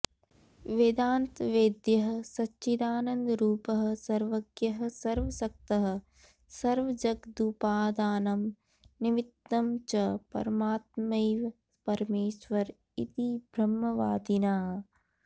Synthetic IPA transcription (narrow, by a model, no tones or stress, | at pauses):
ʋed̪aːnt̪ʋeːd̪jɐɦɐ̆sɐʃid̪aːnɐnd̪ɾuːpɐɦɐ̆sɐɾʋɐɡjɐɦɐ̆sɐɾʋɐsɐk̚t̪ɐɦɐ̆ | sɐɾʋɐd͡ʒɐɡd̪upaːd̪aːnɐm | nimit̪ːɐmt͡ʃɐpɐ̰ɾɐmaːt̪mɐjʋ | pɐɾɐmeːʃʋɐɾ | ḭt̪ibʱɾɐmːɐʋaːd̪inaː